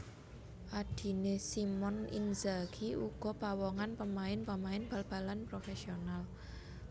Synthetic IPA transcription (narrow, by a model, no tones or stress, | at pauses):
ʔad̪̥i̤nesimɔnḭnzaɡ̥iuɡ̥ɔ̤pawɔŋanpəmaɪnpəmaɪnb̥alb̥a̤lanpɾofesional